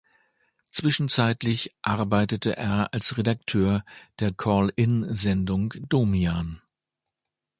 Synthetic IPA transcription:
t͡sv̥ɪʃn̩t͡saɪtlɪçʔaɐbaɪtətəʔḛːɐalsʁedak̚tʰøːɐd̥eːɐkʰɔːlɪnzɛndʊŋd̥oːmjaːn

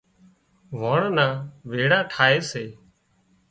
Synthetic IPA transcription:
ʋaːɳnaːʋeːɽaːʈʰaːeːseː

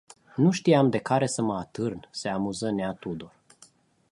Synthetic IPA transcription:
nuʃt̪iamd̪e̞kaɾe̞səməat̪ɨrnseamuzəneat̪ud̪or

